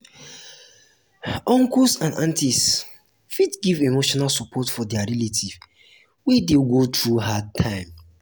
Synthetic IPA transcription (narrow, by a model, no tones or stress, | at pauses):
ɔ̃ŋkusãnãntis | fitɡivemoʃɔnalsɔpʰɔtfɔdɛaɹɛletiv̥ | wideɡotɹuhad̚tʰãɪ̃m